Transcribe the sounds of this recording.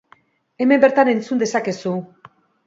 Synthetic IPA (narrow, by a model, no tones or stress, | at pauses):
e̞me̞mbe̞ɾt̪ane̞nt͡sund̪e̞sake̞su